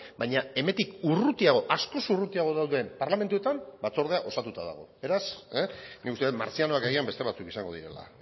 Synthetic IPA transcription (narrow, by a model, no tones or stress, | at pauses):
bajɲae̞mend̪ikurut̪iaɣ̞o̞ʔasko̞surut̪iaɣ̞o̞ðawðe̞mpaɾlame̞nt̪uet̪ambat͡so̞ɾðe̞aʔo̞sat̪ut̪aða̰ɣ̞o̞̰be̞ɾasenʔikust̪e̞t̪ma̰ɾt͡siano̞akeɣiambe̞st̪e̞β̞at͡sukisaŋɡo̞ðiɾe̞̰la̰